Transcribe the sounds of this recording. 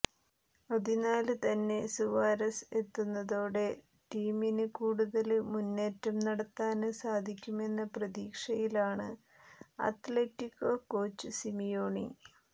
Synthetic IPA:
ɐðinaːlɨt̪ɐnːe̞suʋaːɾɐset̪ːunːɐðoːɽe̞ | ʈiːminɨkuːɽuðɐlmunːe̞ːtːɐmnɐɽɐt̪ːaːnɨsaːd̪ʱikʲːume̞nːɐprɐðiːkʂɐjilaːɳɨ | ɐ̰t̪letːikːokːo̞ːt͡ɕːɨsimijoːɳḭ

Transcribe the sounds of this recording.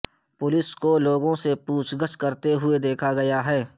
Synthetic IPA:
pʊlɪskoloːɡõsepuːt͡ʃʰɡəskɐɾt̪eɦʊed̪eːkʰaɡɐjaɦɛː

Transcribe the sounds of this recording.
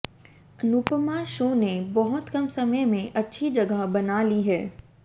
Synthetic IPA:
ənupmaʃũːnebɔɦʊt̪kɐmsɐməjmẽʔɐtːʃʰid͡ʒɐɡəɦbɐnaːliɦɛː

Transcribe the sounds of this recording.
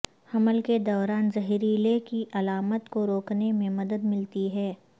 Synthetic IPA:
hɐməlked̪ɔːɾaːnzɐɦiɾilekiʔɐlaːmət̪koɾoːknemẽmɐd̪əd̪mɪlt̪iɦɛː

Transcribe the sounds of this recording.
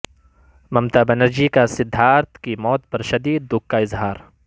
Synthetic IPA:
mɐmt̪abɐnəɾd͡ʒikasɪd̪ʱːaːɾt̪kimɔːt̪̚pɐɾʃɐd̪iːd̪̚ːʊkːaɪzɦaːɾ

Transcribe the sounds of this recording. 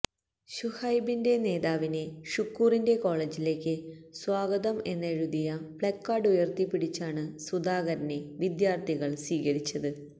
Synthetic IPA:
ɕuhɐjbinde̞ne̞ːðaːʋine̞ʂukːuːrinde̞ko̞ːɭeːd͡ʑile̞ːkʲːɨswaːɡɐðɐme̞nːeɻuðijɐb̥ɭekːaːɖujɐrt̪ipːiɽit͡ɕːaːɳɨsud̪aːɣɐɾɐne̞ʋid̪jaːrt̪ʰiɣɐɭsʋiːɣɐɾit͡ɕːɐðɨ

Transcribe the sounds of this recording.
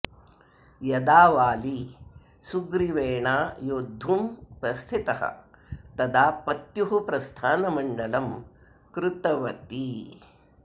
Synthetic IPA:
jɐd̪aːʋaːli | suɡɾiʋeːɳaːjoːd̪ʱːumpɾɐst̪ʰit̪ɐɦɐ̰t̪ɐd̪aːpɐt̪juɦupɾɐst̪ʰaːnɐmɐɳɖɐlɐm | kɾut̪ɐʋɐt̪i

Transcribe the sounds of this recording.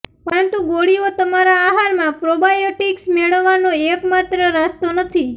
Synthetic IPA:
pəɾənt̪uɡoɽiot̪əmaɾaːɦaɾmãpɾobajoʈiksmeɭəʋːanoekmat̪ɾəɾast̪onət̪ʰi

